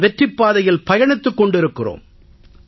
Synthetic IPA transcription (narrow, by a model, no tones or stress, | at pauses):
ʋɛʈrɪpːaːðɐjɪlpɐjɐɳɪt̪ːɯkːɔɳɖɪɾɯkːɪro̰ːm